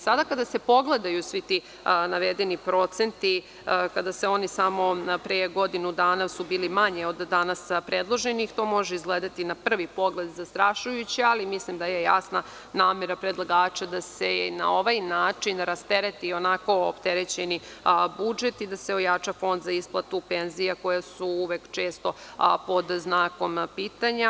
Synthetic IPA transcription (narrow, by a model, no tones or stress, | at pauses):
sad̪akad̪ase̞po̞ɡled̪ajusʋit̪i | naʋed̪enipɾo̞t̪se̞nt̪i | kad̪aseo̞nisamo̞pɾeɡo̞d̪inud̪aːnasubiːlimaɲeo̞d̪ːanaspɾed̪lˠo̞ʒenixt̪o̞ːmo̞ʒeizɡleːd̪at̪inapr̩ʋipo̞ɡled̪zast̪ɾaʃujut͡ɕialimislimd̪ajeja̰sna | naːmeɾapɾed̪lˠaɡaːt͡ɕad̪asena̰o̞ʋajnaːt͡ʂinɾast̪eɾet̪io̞nako̞o̰pt̪eɾet͡ɕenibud͡ʒe̞t̪id̪aseo̞jat͡ʃafo̞nd̪zaisplˠat̪upe̞nzijako̞jasuuʋekt͡ʂe̞ːst̪o̞po̞d̪znaːko̞mpiːt̪aɲa